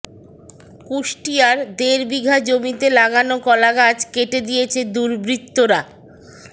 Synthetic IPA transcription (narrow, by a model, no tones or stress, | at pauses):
kuʃʈiaɾd̪eɾbiɡʱad͡ʑomit̪elaɡanokɔlaɡad͡ʑkeʈed̪ijet͡ɕʰed̪uɾbɾit̪ːoɾa